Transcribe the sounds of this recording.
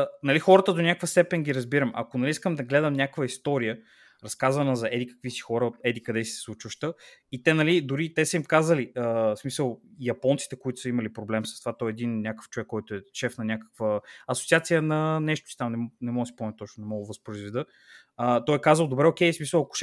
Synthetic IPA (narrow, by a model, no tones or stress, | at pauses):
nɐlixɔɾət̪əd̪onʲakvəst̪ɛpɛnɡʲiɾɐzbiɾəmɐ̰konɐliiskəmd̪ɐɡlɛd̪əmnʲakvəist̪ɔɾijə | ɾɐskazvɐnəzɐʔɛd̪ikə̥kvisi̥xɔɾət̪ɛd̪ikɐd̪ɛsi̥sɛ̥slˠut͡ʃvəʃt̪əit̪ɛnɐlid̪ʊɾit̪ɛsəimkazəliəsmisəlˠjɐpɔnt̪si̥t̪ɛkoit̪ʊ̥səimɐlipɾoblɛmsɐst̪ovat̪ɔɛɛd̪innʲakə̥ft͡ʃovɛkːɔjt̪ʊɛʃɛfnɐnʲakə̥kvəɐsot̪siat̪sijənɐnɛʃt̪o̥si̥t̪amnɛnɛmɔɡ̪əsi̥pɔmnʲɛt̪ɔt͡ʃnʊnɛmɔɡovɐspɾoizvɛd̪ɤ | ət̪ɔɛkazvəlˠd̪obɾɛokɛjsmisəlˠɐkʊ̥ʃ